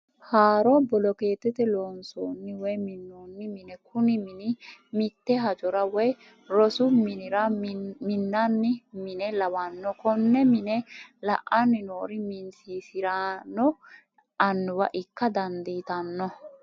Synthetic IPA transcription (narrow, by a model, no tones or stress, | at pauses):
haːɾɔbɔlɔkeːt̪ːɛt̪ɛloːnsoːnːɪwɔjmɪnːoːnːɪmɪnɛkʊnɪmɪnɪmɪt̪ːɛɦɐd͡ʒɔɾɐwɔj | ɾɔsʊmɪnɪɾɐmɪnːɐnːɪmɪnɛlɐwɐnːɔkɔnːɛmɪnɛlɐʔanːɪnoːɾɪmɪnsiːsɪɾanːɔ | ɐnːʊwɐʔɪkːɐd̪ɐnd̪iːt̪ɐnːɔ